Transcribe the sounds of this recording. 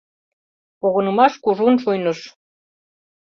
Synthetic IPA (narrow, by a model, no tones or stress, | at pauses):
poɣɤ̆nɤ̆mɑʃkuʒunʃujnɤʃ